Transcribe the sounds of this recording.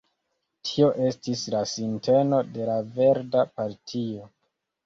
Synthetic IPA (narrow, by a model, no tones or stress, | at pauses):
tʰio̞ʔe̞stislasinte̞no̞de̞lave̞ɾdapaɾtʰio̞